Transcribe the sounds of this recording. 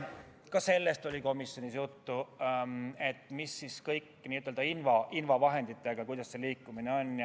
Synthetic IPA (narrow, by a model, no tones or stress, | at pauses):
kɑse̞lːe̞st̪o̞lʲiko̞misːjo̞nʲisjut̪ːu | e̞t̪ːˑmisːiskɤjkːniːyt̪ːˑeld̪ɑinvɑʔinvɑvɑɦe̞nd̪it̪ːˑe̞ɡ̥ɑkujd̪̥ɑsːe̞liːkːˑumine̞o̞nʲj